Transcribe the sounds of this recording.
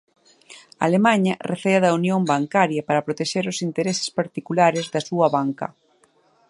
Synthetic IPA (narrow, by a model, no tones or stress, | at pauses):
a̰lemaɲɐreθeɐðɐunjombaŋkaɾjɐpaɾɐpɾot̪eʃeɾʊsint̪eɾesɪ̥spaɾt̪ikulaɾezðɐsuɐβaŋkɐ̰